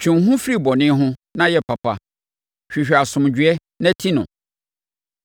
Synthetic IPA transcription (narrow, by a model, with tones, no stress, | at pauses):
t͡ɕʰᶣɪ̃˨ɦʊ̃˦fɾi˦˨bɔ˨nɪ̃˦ɦʊ̃˦nã˦jɛ˦pʰa˨pa˦ | ɕᶣi˨ɕᶣa˨sʊ̃˨md͡ʑᶣɥɛ˦ | næ̃˦tʰi˦nʊ̃˨